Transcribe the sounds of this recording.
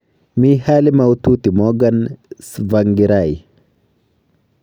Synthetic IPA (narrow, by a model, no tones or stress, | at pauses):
mihalimawt̪ut̪imoɡansvaŋɡiɾaj